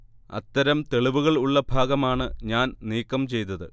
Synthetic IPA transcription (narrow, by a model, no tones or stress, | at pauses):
ɐ̰t̪ːɐɾɐmt̪e̞ɭiʋuɣɐɭuɭːɐbʱaːɡɐmaːɳɨɲaːnniːkːɐmt͡ɕe̞jt̪ɐðɨ